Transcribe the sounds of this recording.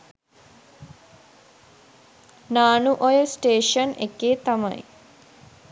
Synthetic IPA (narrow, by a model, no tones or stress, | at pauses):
naːnuʔojəsʈeːʃənḛkːeːt̪amɐ̰j